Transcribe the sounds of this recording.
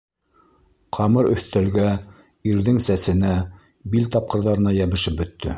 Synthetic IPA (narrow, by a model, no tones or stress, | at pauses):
qʰɑmɤɾɵ̰̆θt̪ælɡæ | iɾðɘŋsæsɘ̆næ | bilt̪ɑp̚qɤ̆ɾðɑɾɤ̆nɑjæβɘ̆ʃɘp̚bɵ̆t̪ːɵ̰